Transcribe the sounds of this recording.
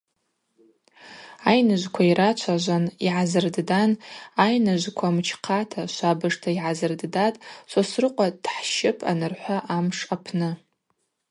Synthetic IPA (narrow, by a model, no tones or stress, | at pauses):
ajnɨʒʷkʷʰaiɾat͡ʃʷʰaʒʷaniʕazɨrddanajnɨʒʷkʷʰamt͡ʃʰqʰatʰaʃʷabɨʐtʰaiʕazɨrddatʼʃʷasrɨqʷʼad̥ħʃɪpʰʼa̰nɨrħʷaʔamʂapʰnɨ